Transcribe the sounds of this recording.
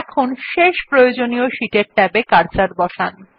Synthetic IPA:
ɛkʰonʃeʃpɾojod͡ʑonioʃiʈeɾʈɛbekaɾt͡ɕaɾbɔʃan

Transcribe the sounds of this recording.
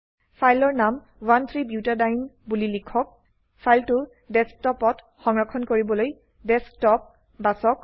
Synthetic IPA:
pʰajlɔɹnam | want̪ʰɹibjutadajnbulilikʰɔk̚ | pʰajltʊ | dɛstɔpɔt | xɔŋɹɔkʰɔnkoɹibɔloj | dɛstɔp̚ | basɔk

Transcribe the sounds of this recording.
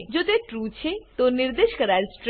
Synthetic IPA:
d͡ʒot̪eʈɾut͡ʃʰet̪oniɾd̪eʃkəɾalsʈɾ

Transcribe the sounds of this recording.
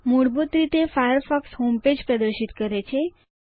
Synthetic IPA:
muɽbut̪ɾit̪efajəɾfɔksɦomped͡ʑpɾəd̪əɾɕit̪kəɾat͡ɕʰe

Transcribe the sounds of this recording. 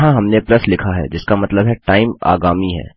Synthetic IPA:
ɦãɦɐmneplɐslɪkʰaɦɛ̰d͡ʒɪskamɐt̪ləbɦɛʈaːɪma̰ːɡaːmiɦɛ̰ː

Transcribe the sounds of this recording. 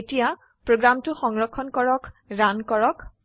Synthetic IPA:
etija | pɹoɡɹamtʊxɔŋɹɔkʰːɔnkɔɹɔkɹankɔɹɔk

